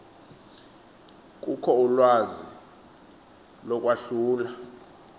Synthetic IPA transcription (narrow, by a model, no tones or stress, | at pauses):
k̬ʼukʰɔulwazi | lɔk̬ʼwaɬuːla